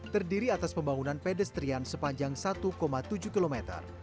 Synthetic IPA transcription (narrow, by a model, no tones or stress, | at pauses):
t̪ərdiɾiat̪aspəmbaŋunanpedəst̪ɾiansəpaɲd͡ʒaŋsat̪ukomat̪ud͡ʒukilomɛt̪ə̰r